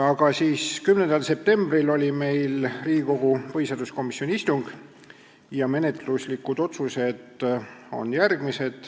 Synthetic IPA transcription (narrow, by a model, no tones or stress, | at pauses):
ɑɡ̥ɑsiːskymnend̪ɑlse̞p̚t̪e̞mb̥rilo̞lʲime̞jlriːɡiko̞ɡ̥upɤɦhisɑːrd̪usko̞misjo̞nʲiist̪uŋɡ̥ | jɑme̞ne̞t̪luslikːˑud̪̥o̞t̪suse̞d̪̥o̞̰njærɡ̥mise̞d̪̥